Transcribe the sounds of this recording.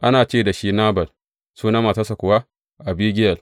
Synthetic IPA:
ʔa˦naː˨t͡ʃeː˦˨da˨ʃiː˦naː˦bɐ˨l | suː˦na˦ma˨ta˦sa˨kʷʊ˨wa˦ | ʔa˨biː˦ɡʲɪ˦jɐ˨l

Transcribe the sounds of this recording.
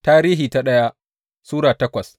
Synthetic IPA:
taː˦ɾiː˦ɦiː˨ta˦ɗɐ˦ja˦ | suː˦ɽaː˨tɐ˦kʷɐ˨s

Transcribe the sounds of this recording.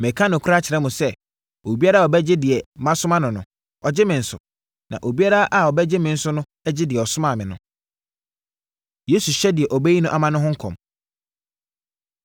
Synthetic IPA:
mɛ̃˨kʰã˦nʊ̃˨kʰɾa˦t͡ɕʰɪ˨ɾɛ˦mũ˨sɛ˦ | o˨bi˦a˦ɾa˦˨ɔ˨bɛ˦d͡ʑɪ˦dɪ˨ɛ˨mã˦sʊ˦mã˦nʊ̃˨nʊ̰̃˨ | ɔ˨d͡ʑɪ˦mɪ̃˨n̩˨˦sʊ̰˨ | nã̰˨ʔo˨bi˦a˦ɾa˦ʔa˨ɔ˨bɛ˦d͡ʑɪ˦mɪ̃˨n̩˦sʊ˦nʊ̃˦ | ɛ˦d͡ʑɪ˦dɪ˨ɛ˨ɔ˨sʊ˦mã˨mɪ̃˨nʊ̃˨ | je˨˦su˨ɕɛ˦dɪ˨ɛ˨ʔɔ˨bɛ˦ji˦nʊ̃˦ʔa˦˨mã˦nʊ̃˦ɦʊ̃˦ŋ̩˦kʰɔ̰̃˨m

